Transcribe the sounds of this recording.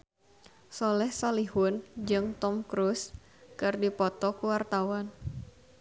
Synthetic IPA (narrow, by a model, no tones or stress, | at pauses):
solɛhsaliɦʊnd͡ʒɨŋt̪ɔmkɾus | kɨrdipɔt̪ɔkuwart̪awan